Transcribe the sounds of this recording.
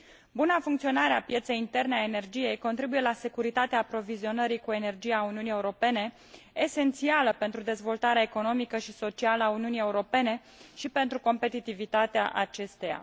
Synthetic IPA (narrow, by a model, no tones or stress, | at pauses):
bunafuŋkt̪sio̞naɾeapje̞t̪se̞jint̪e̞rneaene̞rd͡ʒije̞jko̞nt̪ɾibuje̞lase̞kuɾit̪at̪eaːpɾo̞vizio̞nəɾikue̞ne̞rd͡ʒijauniunije̞uɾo̞pe̞ne̞ː | se̞nt̪sialəpe̞nt̪ɾud̪e̞zvo̞lt̪aɾeaeko̞no̞mikəʃiso̞t͡ʃialəauniunije̞uɾo̞pe̞ne̞ | ʃipe̞nt̪ɾuko̞mpe̞t̪it̪ivit̪at̪ea̰ʔat͡ʃe̞st̪e̞ja̰